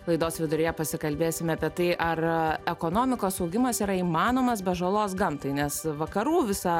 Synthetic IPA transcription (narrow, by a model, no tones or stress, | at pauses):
lˠɐɪd̪oːsʋʲɪd̪ʊɾʲɪjɛpɐsʲɪkɐlʲbʲeːsʲɪmʲɐpʲiɛt̪ɐɪʔɐrɛkoːnoːmʲɪkoːsɐʊɡʲɪmɐsiːɾɐiːmɑːnoːmɐs̬bʲɛʒɐlˠoːsɡɐmt̪ɐɪnʲɛsʋɐkɐɾuːʋʲɪsɐ